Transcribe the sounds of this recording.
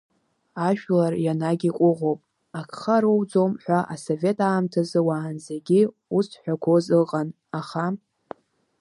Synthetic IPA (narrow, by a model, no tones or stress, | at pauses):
aʃᶣlarjanaɡʲiqʷʼʊʁopʼ | akʰχaɾowd͡zo̞mħᶣʷaʔaso̞ve̞tʰʼaːmtʰazɨwaːnzeɡʲi | usħʷᶣakʷʰo̞zɨqʼan | aχa